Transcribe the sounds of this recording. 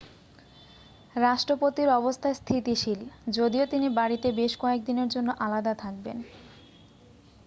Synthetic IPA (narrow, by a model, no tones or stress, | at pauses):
ɾaʃʈɾopot̪iɾɔbost̪ʰaest̪ʰit̪iʃild͡ʑod̪iot̪inibaɽit̪ebeʃkɔek̚d̪ineɾd͡ʑonːoʔalad̪at̪ʰak̚ben